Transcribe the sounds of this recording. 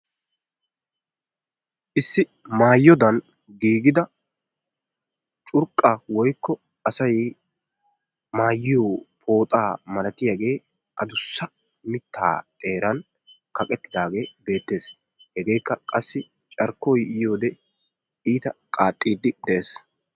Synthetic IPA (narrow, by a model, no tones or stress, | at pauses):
ʔɪsːɪmaːjːɔd̪ɐn | ɡiːɡɪd̪ɐ | t͡ʃʼʊɾkʼːawɔjkːɔ | ɐsɐj | maːjːɪjoːpʰo̞ːt̪ʼaːmɐlɐt̪ɪjaɡe̞ː | ʔɐd̪ʊsːɐ | mɪt̪ʰːa̰ːt̪ʼe̞ːɾɐn | kɐkʼɛt̪ːɪd̪aːɡe̞ːbe̞ːt̪ːe̞ːs | hɛɡe̞ːjkːɐkʼɐsːɪ | t͡ʃʼɐɾkːɔjɪjo̞ːd̪ɛ | iːt̪ɐkʼaːt̪ʼːiːd̪ːɪd̪ɛʔeːs